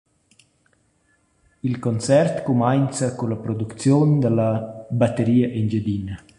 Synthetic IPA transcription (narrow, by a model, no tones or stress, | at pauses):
ilkɔnt͡sɛrt̪kumajnt͡sakulapɾɔd̪ukt͡sjond̪əlabat̪ːəɾiːaʔind͡ʒəd̪ina